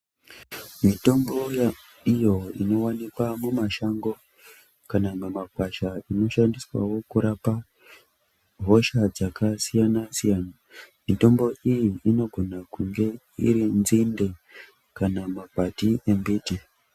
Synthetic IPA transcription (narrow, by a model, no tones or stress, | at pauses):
mito̞mbo̞j | ijo̞ino̞wanikwamumaʃaŋɡo̞ | kanamumakwaʃaino̞ʃandiswa̰wo̞kuɾapa | ɦo̞ʃad͡zakasijanasijaːna | mito̞mbo̞ʔijiino̞ɡʱo̞nakuŋɡe̞ | ḭɾinzinde̞ | kanamakatiʔembiːti